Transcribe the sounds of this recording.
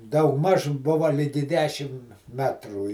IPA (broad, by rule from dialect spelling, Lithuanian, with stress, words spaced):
dɐʊɡˈmɐʃ ˈbʊʋɐ ˈlʲɪɡʲɪ ˈdʲæːʃʲɪm ˈmʲæːtruː